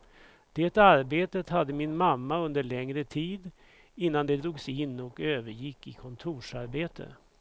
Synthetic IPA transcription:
d̪̥ɛːt̪aɾbeːt̪ət̪had̪ːəmɪnmamːaɵnd̪əɭɛŋɾət̪ʰiːd̪ | ɪnːand̪ɛd̪ɾuːɡsɪnːɔkøːvəɾjɪkːɪkʰɔnt̪ʰuːʂaɾbeːt̪ʰə̰

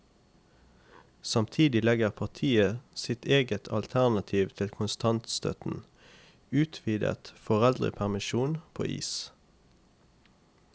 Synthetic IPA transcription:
sɑmt̪ʰiːd̪ɪlɛɡəʁpʰɑʁt̪ʰiːəsɪt̪ʰeːɡət̪ʰɑ̰lt̪ʰæʁnɑt̪ʰiːʋt̪ʰɪlkʰʊnst̪ʰɑnt̪st̪œ̰t̪n̩ | ʉːt̪ʰʋiːd̪ə̰t̪fɔʁɛld̪ʁə̰pʰæʁmɪʃuːnpʰo̰ːʔḭːs

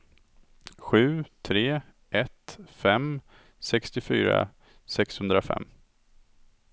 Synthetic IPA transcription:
ɧʉ̟ːt̪ʰɾeː | ʔɛt̪fɛm | sɛkst̪ɪfyːɾa̰ | sɛkshɵnd̪ɾafɛ̰mː

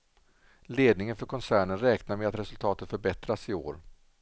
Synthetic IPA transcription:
leːd̪nɪŋənfœɾkʰɔnsæːɳənɾɛːknaɾmɛat̪ɾɛsɵlt̪ʰɑːt̪ət̪fœɾbɛt̪ɾasɪo̰ːɾ

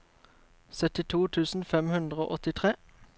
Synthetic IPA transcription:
sœt̪ɪt̪ʰuːt̪ʰʉːsn̩fɛmhʉnd̪ʁəo̰ːʔɔt̪ɪt̪ʰʁeː

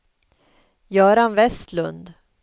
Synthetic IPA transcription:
jœːɾanvɛst̪lɵ̰nd̪

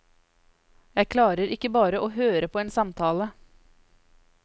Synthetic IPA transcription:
jæɪkʰlɑːɾəɾɪkːəbɑːɾəʔoːɦøːɾəpʰoːeːnsɑmt̪ʰɑːlə

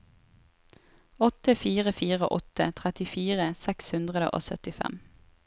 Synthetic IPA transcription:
ɔt̪əfiːʁəfiːʁəʔɔt̪ə̰t̪ʰʁɛt̪ɪfiːʁəsɛkshʉnd̪ʁəd̪ə̰ʔo̰ːsœ̰t̪ɪfɛ̰m

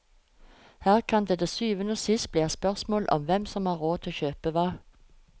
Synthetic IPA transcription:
hæːʁkʰɑnd̪eːd̪eːsyːʋənəsɪst̪̚bliːɑspœʁsmoːlʔɔ̰mʋɛmsɔmhɑːʁoːt̪ʰɪloːçøːpəʋɑː

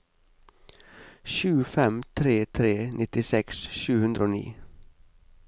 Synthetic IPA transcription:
ʃʉːfɛmt̪ʰɾeːt̪ʰɾeːnʔɪt̪ɪsɛksʃʉːhʉnd̪ɾoːnḭː

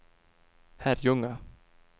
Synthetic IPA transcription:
hæɾjɵŋa

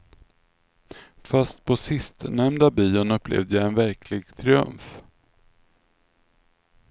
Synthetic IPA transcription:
fast̪̚pʰɔsɪst̪nɛmd̪abiːʊnɵpːlʔḛːvd̪əjaɛnvæɾkʰlɪɡt̪ʰɾɪɵ̰mf

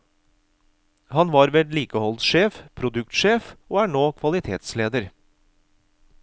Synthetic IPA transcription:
hɑnʋɑːɾʋɛd̪liːkəhɔlt̪ʃeːfpʰɾʊd̪ʉk̚t̪ʃeːfoːæːɳoːkʰʋɑlɪt̪ʰeːt̪sleːd̪əɾ

